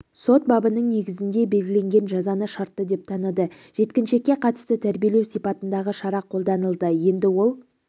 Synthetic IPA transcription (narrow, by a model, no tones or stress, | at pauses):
so̞t̪̚bɑbənəɴne̞ɡʲɪzɪnd̪e̞be̞lɡʲɪlʲe̞ŋɡʲe̞nʒɑzɑnəʃɑɾt̪ːəd̪e̞p̚t̪ʰɑnəd̪ə | ʒ̥e̞t̪kʲɪnʃe̞kʲːe̞qʰɑt̪ə̥st̪ət̪ʰæɾbije̞le̞wsipɑt̪ənd̪ɑʁəʃɑɾɑqʰo̞lˠd̪ɑnəlˠd̪əje̞nd̪ɪwo̞lˠ